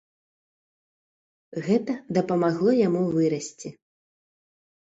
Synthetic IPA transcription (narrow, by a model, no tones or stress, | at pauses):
ɣɛt̪ɐd̪ɐpɐmaɣlˠɔjamuvɨɾɐsʲt͡sʲi